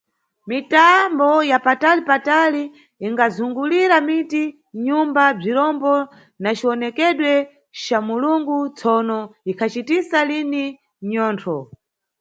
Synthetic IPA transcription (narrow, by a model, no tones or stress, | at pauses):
mitambɔjapatalipataliː | ŋɡazuŋɡuliɾamiti | ɲumbab͡ʐiɾɔmbɔ | nat͡ʃiɔnɛkɛɗwɛ | t͡ʃamuluŋɡut͡sʰɔnɔikʰat͡ʃitisalini | ɲɔːntʰɔ